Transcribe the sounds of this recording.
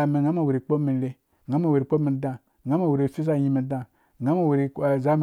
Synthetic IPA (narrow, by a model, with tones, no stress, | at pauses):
a˨mi˨ɡa˦ma˨wu˨ɾi˨k͡po˦mi˨˦le˦˨ | ɡa˦ma˨we˨ɾi˨k͡po˦mi˨da˦˨ | ŋa˦ma˦˨we˨ɾi˨fi˦z̬a˦ji˦mi˨da˦˨ | ɡa˦ma˦˨we˨ɾi˨za˦m